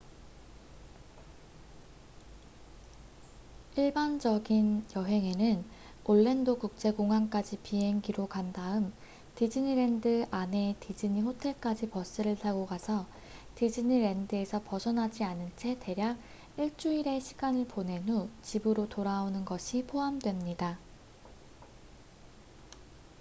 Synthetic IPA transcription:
iɭband͡ʑʌɡinjʌɦe̞ŋe̞nɯn | oɭːendokuk̚t͡ɕ͈e̞koŋɦank͈ad͡ʑipiɦe̞ŋɡiɾokandaɯm | tid͡ʑɯɲiɾe̞ndɯʔane̞tid͡ʑɯɲiɸotʰe̞ɭk͈ad͡ʑipʌs͈ɯɾɯɭtaɡoɡasʰʌ | tid͡ʑɯɲiɾe̞ndɯe̞sʰʌpʌsʰʌnɦad͡ʑianɯnt͡ɕʰe̞te̞ɾjaɡ̚ | iɭt͡ɕ͈uiɾe̞ɕʰi̥ɡanɯɭpone̞nut͡ɕibɯɾotoɾaonɯnɡʌɕʰipʰoɦamdwe̞mɲida

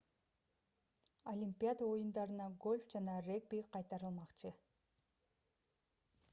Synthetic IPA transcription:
olʲimʲpʲijad̪əo̞jund̪ɑɾɯnɑɡo̞lʲfd͡ʒɑnɑreɡ̚bʲiqʰɑjt̪ɑɾɯlˠmɑqt͡ʃɯ

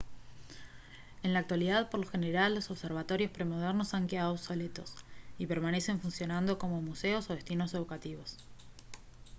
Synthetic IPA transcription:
e̞nlaːk̚t̪waliðaðpo̞ɾloxeneɾalːo̞soβseɾβ̞at̪o̞ɾjo̞spɾe̞moð̞eɾno̞saŋkeaðosolet̪o̞̰sipeɾmane̞se̞ɱfunsjo̞nand̪o̞ko̞mo̞museo̞so̞ð̞est̪ino̞se̞ð̞ukat̪iβo̞s

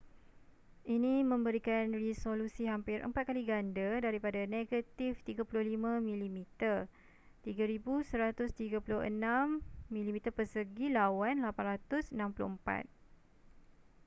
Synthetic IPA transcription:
ʔinĩmə̃mbəɾikanrisolusiɦampɪɾʔə̰mpat̪̚kaliɡandədaɾipadaneɡat̪ift̪iɡapulʊhlimãmĩlimit̪ər | t̪iɡaɾibusəɾat̪ʊst̪iɡapulʊhə̰nãmːĩlimit̪ərpərsəɡilawanlapanrat̪ʊsənãmpulʊ̰həmpa̰t̪̚

